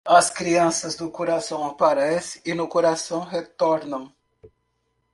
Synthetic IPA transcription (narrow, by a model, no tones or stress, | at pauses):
ɐskɾiɐ̃sɐzd̪ʊkoɾasɐ̃w̃apaɾɛsɪɪnʊkoɾasɐ̃w̃het̪ɔɾnɐ̃w̃